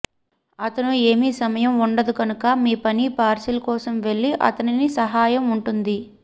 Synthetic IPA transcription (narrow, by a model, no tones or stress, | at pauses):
ɐt̪ɐnue̞ːmiːsɐmɐjɐmuɳɖɐd̪ukɐnukɐmiːpɐnipaːɾsɐlɐkɔːsɐmʋe̞ɭːiʔɐ̰t̪ɐninisɐɦaːjɐmuɳʈund̪i